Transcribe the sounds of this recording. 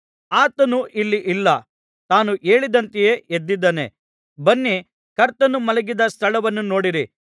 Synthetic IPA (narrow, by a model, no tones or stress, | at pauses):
aːt̪ɐnuʔilːiʔilːɐ | t̪aːnuʔe̞ːɭid̪ɐnt̪ije̞ːʔed̪ːid̪ːɐnḛ | bɐnːi | kɐɾt̪ɐnumɐlɐɡid̪ɐst̪ʰɐɭɐʋɐnːuno̞ːɽiɾi